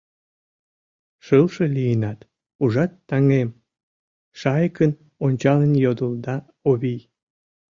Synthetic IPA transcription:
ʃəlʃelijənɑt̪ | uʒɑt̪ːɑŋem | ʃɑjkən | onʲt͡ɕɑlənjod̪əld̪ɑ | oβij

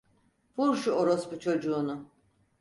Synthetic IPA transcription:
buɾʃuoɾosbut͡ʃʰo̞d͡ʒuːnu

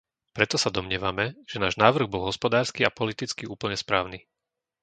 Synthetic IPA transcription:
pɾɛt̪ɔsad̪ɔmɲɪɛʋamɛʒ̥ɛnaːʒnaːʋr̩ɣbɔlˠɦɔspɔd̪aːɾskiapɔlit̪it͡skiuːpl̩ɲɛspɾaːʊni

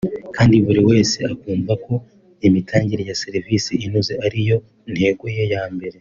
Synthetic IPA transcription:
kaːndiβuɾiwe̞ːse̞akuːɱvakʰo̞ | imitʰaːɲɟiɾejaseɾivisiinuzeʔaɾijo̞ | n̥he̞ːɡwoje̞jaːmbe̞ɾe̞

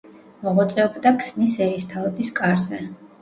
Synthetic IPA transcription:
mɔʁut̪sʼɛɔbd̪akʰsnisɛɾist̪ʰavɔbiskʼaɾzɛ

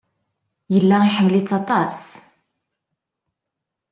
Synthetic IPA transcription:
jəlːæiħəmːlit͡sːɑt̪ˤɑs

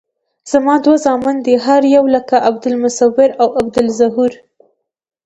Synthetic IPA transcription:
z̥amɑd̪wazɑmɪnd̪iɦaɾjawləkaʔab̚d̪ɪlmʊsawːɪɾawab̚d̪ɪlzaɦuɾ

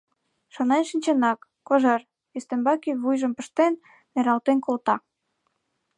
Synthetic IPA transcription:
ʃonenʃinʲt͡ɕenɑkːoʒɑr | est̪embɑkiβujʒə̆mpə̆ʃt̪enː | eɾɑlt̪enkolt̪ɑ

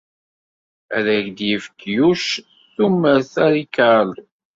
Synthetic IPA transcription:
æ̰ðæʝd̪jəfkjuʃ | θumːəɾθæɾikald̪

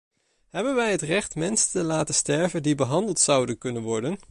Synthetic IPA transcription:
ɦɛbənʋɛjɦətrɛχtmɛnsətəlaːtəstɛɹvəndibəɦɑndəlˠtsɑwdənkɵnənʋɔɹdən

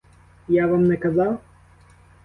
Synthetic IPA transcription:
javamnɛkazawˠ

